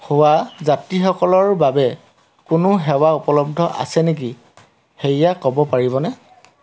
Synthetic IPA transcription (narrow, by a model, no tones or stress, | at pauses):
howazatixɔkɔlɔɹbabɛ | kʊnʊɦɛwaupɔlɔb̚dʱɔʔa̰sɛnek̬i | xeijakɔbɔpaɹiβɔnɛ